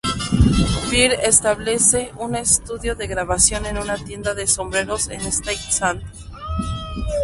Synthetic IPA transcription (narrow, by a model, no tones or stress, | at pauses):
fiɾest̪aβle̞se̞ʔune̞st̪uðjo̞ðe̞ɣɾaβasjo̞ne̞nunat̪je̞nd̪aðe̞so̞mbɾe̞ɾo̞sḛnest̪ajksant̪